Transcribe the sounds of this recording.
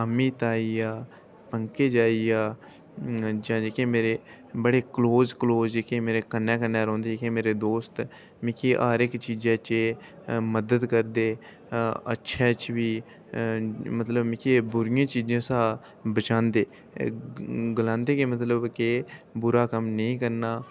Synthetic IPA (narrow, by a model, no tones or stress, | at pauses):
əmiːt̪aːiːaː | pəŋkeːd͡ʒaːiːaː | d͡ʒãːd͡ʒeːkẽːmeːɾeː | bəɽeːkloːzkloːzd͡ʒeːkʰẽːmeːɾeːkənːɛ̃ːkənːɛːɾɔ̃ːnd̪eːd͡ʒeːkẽːmeːɾeːd̪oːst̪ | mɪkʰeːʔaːɾɪkt͡ʃiːd͡ʒãːt͡ʃe | məd̪əd̪kəɾd̪eː | ə̰tːʃʰɛːt͡ʃʋiː | mət̪ləbmɪ̃kʰeːbʊɾɪjãːt͡ʃiːd͡ʒãːsaː | bət͡ʃãːnd̪eː | ɡlãːnd̪eːkemət̪ləbkeːbʊɾaːkəmnəĩːkəɾnaː